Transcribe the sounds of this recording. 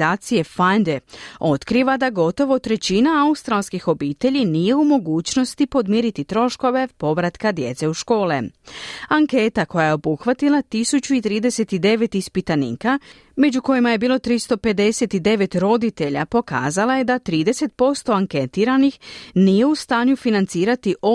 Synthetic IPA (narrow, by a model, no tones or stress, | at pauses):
aːt̪sije̞fand̪eo̞t̪kɾiʋad̪aɡo̞t̪o̞ʋo̞t̪ɾe̞t͡ɕinaaust̪ɾalˠskixo̞biːt̪e̞ʎinije̞umo̞ɡuːt͡ɕno̞st̪ipo̞d̪miɾit̪it̪ɾo̞ʃko̞ʋe̞po̞ʋɾat̪kad̪je̞t̪se̞uʃko̞ːlḛ | aŋke̞ːt̪ako̞jaje̞o̞buxʋat̪ilˠat̪isut͡ɕuit̪ɾiːd̪e̞se̞t̪id̪e̞ʋe̞t̪ispit̪anḭka | me̞d͡ʑuko̞jimaje̞biːlˠo̞t̪ɾist̪o̞pe̞d̪e̞se̞t̪id̪e̞ʋe̞t̪ɾo̞d̪it̪e̞ʎa̰po̞ka̰ːzalaje̞d̪at̪ɾiːd̪e̞se̞t̪̚po̞st̪o̞aŋke̞t̪iːɾanixnije̞ust̪aːɲufinant̪siːɾat̪iʔo